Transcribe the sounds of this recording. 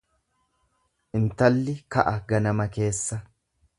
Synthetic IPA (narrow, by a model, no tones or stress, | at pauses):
ʔɪnt̪ɐlːɪkɐʔɐɡɐnɐmɐke̞ːsːɐ